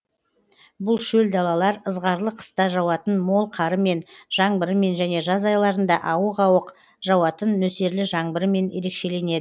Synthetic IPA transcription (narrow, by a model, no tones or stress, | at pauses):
bʊlˠʃɵld̪ɑlˠɑlˠɑɾəzʁɑɾlˠəqʰə̥st̪ɑʒɑwɑt̪ənmo̞lˠqʰɑɾəme̞nʒ̥ɑɴbəɾəme̞nʒæne̞ʒɑzɑjlˠɑɾənd̪ɑʔɑwəqɑwəq | ʒ̥ɑwɑt̪ənːɵse̞ɾlɪʒɑɴbəɾəme̞nje̞̰ɾe̞kʃe̞le̞ne̞d̪ɪ